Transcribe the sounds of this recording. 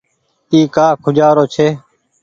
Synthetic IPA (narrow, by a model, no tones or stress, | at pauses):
iːkaːkʰʊd͡ʒaːɾoːt͡ʃʰeː